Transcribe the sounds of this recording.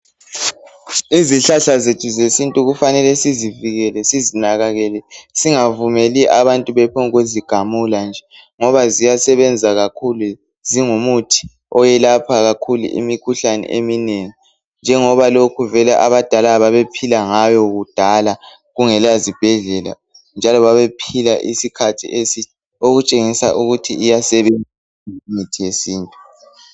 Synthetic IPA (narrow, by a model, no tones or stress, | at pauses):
iziɬaɬazetʰuzesintʼuɣufanɛlɛsiziviɣɛlɛsizinaɣaɣɛlɛsiŋavumeliʔaβantʼuβɛpʰoŋɣoziɡ̥ʱamuland͡ʒʱɛ | ŋɔβazijasɛβɛnd͡zʱaɣakʰulu | ziŋumutʰi̥ | ɔjɛlapʰaɣakʰulṵʔḭmikʰuɬanɛ̰ʔemineŋi | nd͡ʒʱɛŋɔβalokʰuvɛlɛʔaβad̥ʱalaβaβepʰilaŋajɔɣud̥ʱala | ɣuŋɛlazib̥ʱɛɮɛla̰ | nd͡ʒʱalɔβaβepʰilaʔisikʰatʰḭʔesi | oɣut͡ʃʼeŋisa̰ʔuɣutʰiːjasɛβɛnd͡zʱa | mitʰijesiːntʼu